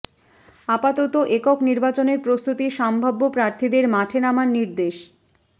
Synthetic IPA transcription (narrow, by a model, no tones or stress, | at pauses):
apat̪ot̪oʔekɔkniɾbat͡ɕoneɾpɾost̪ut̪iʃambʱabːopɾaɾt̪ʰid̪eɾmaʈʰenamanniɾd̪eʃ